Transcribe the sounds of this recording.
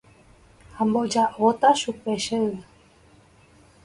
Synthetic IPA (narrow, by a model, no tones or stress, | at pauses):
hãmbod͡ʒaʔot̪aʃupeʃeɨ